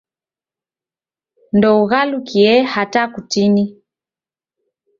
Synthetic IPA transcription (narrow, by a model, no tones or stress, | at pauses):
ndɔuɣalukiɛhatakutini